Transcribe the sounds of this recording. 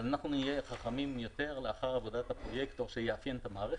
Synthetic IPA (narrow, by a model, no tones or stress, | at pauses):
zanaχnunijeχaχamimjo̞t̪e̞ʁleaχaʁavo̞dat̪apʁo̞jekt̪oʁʃejeafjent̪amaːʁe